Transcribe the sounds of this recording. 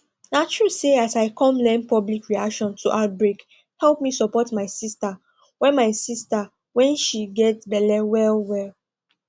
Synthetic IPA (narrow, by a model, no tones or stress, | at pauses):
nat͡ʃɹuseasaɪkɔ̃mlɛ̃npɔblikɹiakʃɔ̃ntʰuʔaʊt̚bɹek | hɛlpmisɔpɔtmaɪsista | wɛ̃nmaɪsista | wɛ̃nʃiɡɛtbɛlɛwɛlwɛl